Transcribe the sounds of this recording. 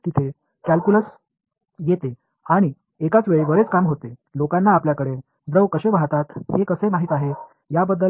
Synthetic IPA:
t̪it̪ʰe | kælkuləs | jet̪e | aɽ̃i | ekat͡sʋeɭiʋəɾet͡skamɦot̪elokanːaːpljakəɽe | d̪ɾəʋkəɕebʱat̪at̪ɦekəsemaɦiːt̪aɦe | jabəd̪ːə

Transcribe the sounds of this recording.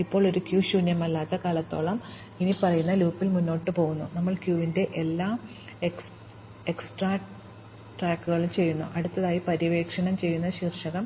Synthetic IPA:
ipːo̞ːɭo̞ɾukjuːɕuːnjɐmɐlːaːt̪ːɐkaːlɐt̪ːo̞ːɭɐm | inipɐrɐjunːɐluːpːilmunːo̞ːʈːɨpo̞ːɣunːunɐmːɐɭkjuːʋinde̞ʔelːaː | eks | eksʈraː | ʈraːkːuɣɐɭumt͡ɕe̞jːunːṵʔɐɽut̪ːɐðaːjipɐɾiʋe̞ːkʂɐɳɐmt͡ɕe̞jːunːɐɕiːrʂɐɣɐm

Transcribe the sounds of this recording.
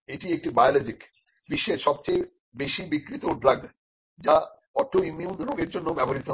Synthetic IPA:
eʈiek̚ʈibajolɔd͡ʑik | biʃːeʃɔb̚t͡ɕej | beʃibikːɾit̪oɖɾaɡ | d͡ʑa | ɔɾʈʰoimjunɾoɡeɾd͡ʑonːobɛboɾit̪o

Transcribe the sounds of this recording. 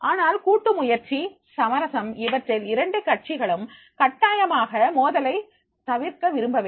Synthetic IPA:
ʔaːnaːlkuːʈːɯmʊjɐɾt͡ʃi | sɐmɐɾɐsɐmɪʋɐʈrɪlɪɾɐɳɖɯkɐʈ̚t͡ʃɪɣɐɭɯm | kɐʈːaːjɐmaːɣɐmoːðɐlɐɪ | t̪ɐʋɪɾkɐʋɪɾɯmbɐʋe

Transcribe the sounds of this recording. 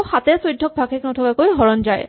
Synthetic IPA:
xat̪ɛsojdʱːɔk̚bʱakʰɛknɔtʰɔkakojɦɔɹɔnzaj

